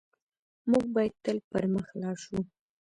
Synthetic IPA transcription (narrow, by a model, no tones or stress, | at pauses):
muɡ̚bɑjad̪̚t̪əlpəɾməxlɑʃu